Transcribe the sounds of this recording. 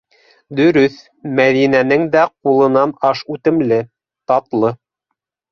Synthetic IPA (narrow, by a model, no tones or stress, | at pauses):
d̪ɵ̆ɾɵθ | mæðinænɘŋd̪æqulˠɤ̆nɑnɑʃʉt̪ɘ̆mlɘ | t̪ɑt̪lˠɤ